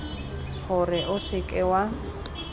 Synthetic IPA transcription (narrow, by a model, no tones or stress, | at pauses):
ɣʊrɪʔʊsɪkʼɛwa